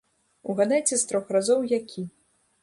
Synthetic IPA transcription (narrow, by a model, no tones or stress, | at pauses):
uɣad̪ɛt͡sʲɛst̪ɾɔxrazɔwjakʲʰi